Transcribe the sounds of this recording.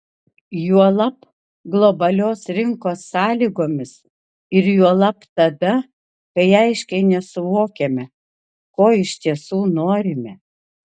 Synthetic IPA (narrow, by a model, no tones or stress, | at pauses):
juɔlˠɐp | ɡlˠobɐlʲoːsɾʲɪŋkoːsːɑːlʲiːɡoːmʲɪs | ɪɾjuɔlˠɐpt̪ɐd̪ɐ | kɐɪɐɪʃʲkʲɛɪnʲɛsʊʋoːkʲemʲɛ | koːɪʃʲt̪ʲiɛsuːnoːɾʲɪmʲɛ